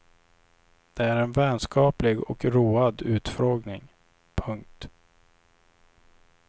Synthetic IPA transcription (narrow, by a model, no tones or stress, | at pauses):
d̪̥ɛæɾɛnvɛnskʰɑːplɪɡɔkɾuːad̪ʉ̟ːt̪fɾoːɡnɪŋ | pʰɵŋk̚t̪